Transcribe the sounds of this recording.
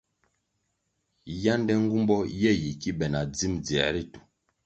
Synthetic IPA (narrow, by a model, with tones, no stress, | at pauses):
ja˦n˦dɛ˦ŋ̩˦ɡu˦mbɔ˦jɛ˦˨ji˨ki˦bɛ˨na˨d͡zi˦md͡zi˨ɛ̰˨ɾi˦tu˨